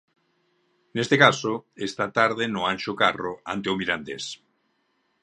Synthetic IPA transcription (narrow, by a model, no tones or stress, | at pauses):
nest̪ekasoest̪at̪aɾðenʊanʃokaroa̰nt̪eomiɾand̪es